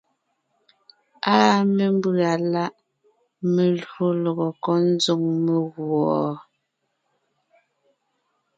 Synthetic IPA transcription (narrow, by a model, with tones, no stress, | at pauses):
aː˦me˨m˦bʉ˦˨a˨la˦ʔ | me˨lu˦lɔ˨ɣɔ˨kɔ˦n˦zo˦ŋme˨ɣwɔ˨